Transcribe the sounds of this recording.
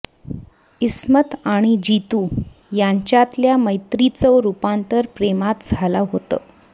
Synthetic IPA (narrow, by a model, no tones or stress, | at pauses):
ismət̪aɽ̃id͡ʑit̪uː | jaɲt͡ɕjat̪ljaməjt̪ɾit͡səɾupant̪əɾpɾemat̪d͡zʱalaɦot̪ə̰